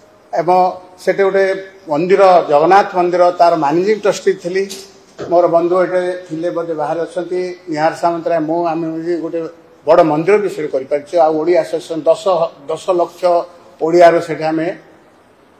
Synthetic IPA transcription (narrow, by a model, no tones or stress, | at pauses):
ebɔ̃seʈeɡoʈemɔnd̪iɾɔd͡ʒɔɡɔnat̪ʰmɔnd̪iɾɔt̪aɾɔmanid͡ʒimʈɔsʈit̪ʰili | moɾɔbɔnd̪ʱueʈet̪ʰilebɔd̪ebaɦaɾiɔt͡ʃʰɔnt̪iniɦaɾsamɔnt̪ɾaemũamed͡ʒiɡoʈe | bɔɽɔmɔnd̪iɾɔbisɔɾekɔɾipaɾit͡ʃʰɔawoɽiasɔsɔnd̪ɔsɔd̪ɔsɔlɔksʰjɔ | oɽiaɾɔseʈʰiame